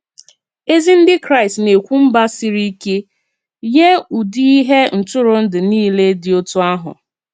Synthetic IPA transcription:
e˦zi˦n̩˦dɪ˦kɾa˦˨stne˨kʷu˦m̩˦ba˦si˦ɾi˦ke˦ | ɲe˦u˨di˦i˦ɦe˦n̩˨tʊ˦ɾʊ˨n̩˦dɪ˨niː˦le˦dɪ˨o˦tu˦a˦ɦʊ̰˨

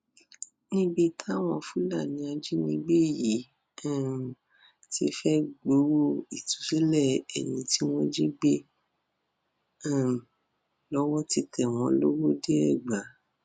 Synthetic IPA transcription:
nĩ˦bi˧tʰa˦˨w̃ɔ̃˧fu˦la˦˨nĩ˨˧a˧d͡ʒi˦nĩ˧ɡ͡be˦˨jĩ˨˦˨ | ti˧˦fɛ˦ɡ͡bo˨˦wo˦˨i˨tu˨˦si˦lɛ˦˨ɛ˨nĩ˧ti˦w̃ɔ̃˦d͡ʒi˦ɡ͡be˦˨ | lɔ˦wɔ˦ti˧kʰɛ˨w̃ɔ̃˧lo˦wo˦de˦ɛ˦˨ɡ͡ba˨˦

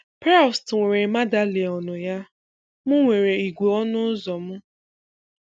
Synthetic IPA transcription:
pa˦˨stŋʷe˨ɾe˨ma˦da˦le˨ɔ˨nʊ˨ja˦ | mʊ˦ŋʷe˨ɾe˨i˨ɡʷu˨ɔ˦nʊ˦zɔ˨m̩˦

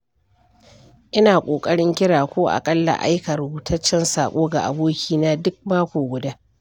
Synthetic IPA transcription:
ʔɪ˦naː˨kʷʼoː˨kʼɐ˦ɽɪ˦ŋkʲɪ˦ɽaː˨kʷoː˦ʔa̰˨kʼɐ˦lːa̰˨ʔa̰˦jkɐ˨ɾʊ˨buː˨tʰɐ˦t͡ʃːɛ˦nsaː˨kʷʼoː˦ɡa̰˨ʔa̰˨boː˦kʲiː˦naː˦dʊ˦k̚maː˦kʷoː˨ɡʷʊ˨daː˦

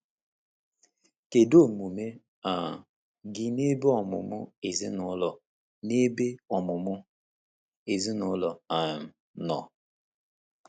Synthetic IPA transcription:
ke˨do˦˨mu˨me˦ | a˨ | ɡɪ˦ne˦be˦ɔ˨mʊ̰˨mʊ˦e˨zi˦nʊ˦lɔ˨ | ne˦be˦ɔ˨mʊ˨mʊ˦ | e˨zi˦nʊ˦lɔ˨a˨m̩˨ | nɔ˨

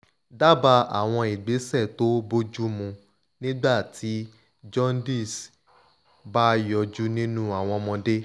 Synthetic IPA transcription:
da˦ba˧a̰˨w̃ɔ̃˧i˨ɡ͡be˨˦sɛ˦˨to˦bo˦d͡ʒu˦mũ˧ | nĩ˦ɡ͡ba˦˨tʰi˨˦ | d͡ʒɔ̃˦ndi˦˨s | ba˦jɔ˧d͡ʒu˦nĩ˦nũ˦a˨w̃ɔ̃˧mɔ̃˧de˦

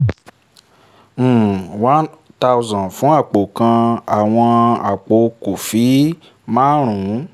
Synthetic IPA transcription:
wã˦nta˧wzã˨fũ˨˦a˦˨k͡po˨kã˧a˦˨w̃ɔ̃˧a˨k͡po˨˦ko˨fi˨˦ | mã˦ɾ̃ũ˨˦

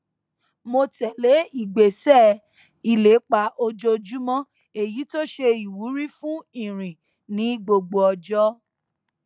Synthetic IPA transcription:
mo˧tɛ˨le˨˦i˨ɡ͡be˨sɛ˦˨ | i˦˨le˨˦k͡pa˧˦ʔo˧d͡ʒo˧d͡ʒu˦mɔ̃˦ | e˨ji˨˦to˦ʃe˧i˨wu˨˦ɾi˦fũ˦ĩ˦˨ɾ̃ĩ˨ | nĩ˨˦ɡ͡bo˧ɡ͡bo˧ɔ˧d͡ʒɔ˦

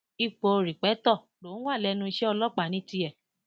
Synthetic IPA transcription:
i˧k͡po˧ɾi˨k͡pɛ˨˦tɔ˦˨ | lo˨˦wa˦˨lɛ˧˦nũ˧˦ʃɛ˦ɔ˧lɔ˦k͡pa˨nĩ˦ti˧˦ɛ˨

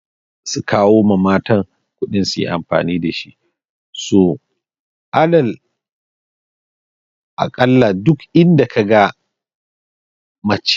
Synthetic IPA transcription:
su˨kʰaː˦woː˦ma˨maː˦tɐ˦ŋ | kʷʊ˦ɗɪ˦nsu˨jḭ˦ʔa̰˨mɸa̰ː˨niː˦da˨ʃi˦ʔ | so˨ | ʔa˦dɐ˨l | ʔa̰˨kʼɐ˦lːa˨dʊ˦kʔɪ˦nda˨ka˨ɡa˦ | mɐ˨t͡ʃ

